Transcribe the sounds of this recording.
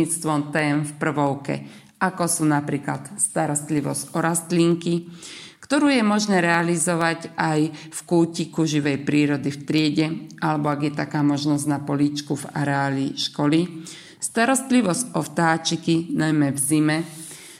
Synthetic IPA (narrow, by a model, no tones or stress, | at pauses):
it͡st̪ʋɔmt̪ɛːmfpr̩ʋɔʊkɛ̰ | ʔakɔsuːnapɾiːklat̪st̪aɾɔst̪liʋɔzcɔɾast̪liːŋkikt̪ɔɾuːjɛmɔʒnɛːɾɛalizɔʋacʔajfkuːcikuʒiʋɛjpɾiːɾɔd̪ift̪ɾɪɛɟɛʔalɛbɔaɡjɛt̪akaːmɔʒnɔzɟnapɔliːt͡ʃkuva̰ɾɛaːliʃkɔli | st̪aɾɔst̪liʋɔzʔɔft̪aːt͡ʃikinajmɛvzimɛ